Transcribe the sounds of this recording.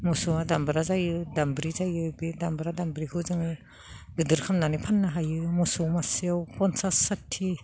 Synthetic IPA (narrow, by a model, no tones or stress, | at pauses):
mɔsɔadambaɾazajɯdambɾizajɯbidambɾadambɾikʰɯzɯŋɯ | ɡɯdɯɾkʰamnanipʰanːaɦajɯmɔsɔwmaseawpɔnsasatʰːi